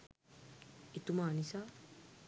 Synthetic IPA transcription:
it̪umanisa

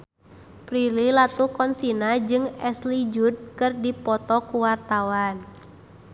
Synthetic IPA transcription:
pɾililat̪ukɔnsinad͡ʒɨŋɛslid͡ʒud̚kɨrdipɔt̪ɔkuwart̪awan

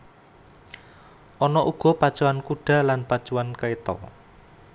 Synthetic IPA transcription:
ʔɔnɔʔuɡ̥ɔ̤pad̥t͡ʃuwankuɖ̥a̤lanpad̥ʒ̥uwankəet̪ɔ̰

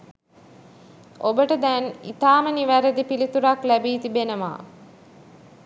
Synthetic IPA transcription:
obəʈəd̪ɛnḭt̪aːməniʋæɾəd̪ipilit̪uɾaklæbiːt̪ibenəma̰ː

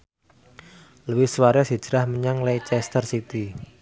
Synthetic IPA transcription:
ləwɪhswaɾɛsi̥d͡ʒ̥əɾahməɲaŋlejt͡ʃɛst̪ərsit̪i

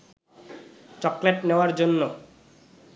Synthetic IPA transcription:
t͡ɕɔkleʈneoaɾd͡ʑonːo

